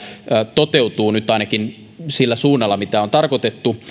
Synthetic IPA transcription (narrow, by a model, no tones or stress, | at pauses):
t̪ot̪eut̪uːnyt̪ɑinɑkin | silːæsuːnːɑlːɑmit̪æo̞nt̪ɑrkot̪et̪ːu